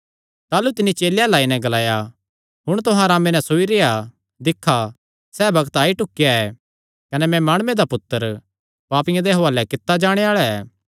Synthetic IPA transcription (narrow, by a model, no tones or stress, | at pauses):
t̪aːlut̪ɪnːit͡ʃeːljalaːinɛ̃ɡɐlaːja | ɦʊɽ̃t̪ʊɦãɾaːmenɛsoːiɾeːja | d̪ɪkʰːa | sɛːbɐɡət̪aːiʈʊkːɪjaɛ | kɐnɛmɛ̃maːɽ̃ʊed̪apʊt̪ːəɾ | paːpɪ̃jãd̪eɦoaːlɛkɪt̪ːad͡ʒaːɽ̃eaːɭaɛː